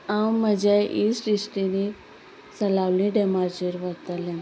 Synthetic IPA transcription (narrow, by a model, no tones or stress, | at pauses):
amːəd͡ʑaʔiːsɾiʂʈini | t͡səlaʋlĩɖemaɾt͡ɕeɾʋəɾt̪əlɛ̃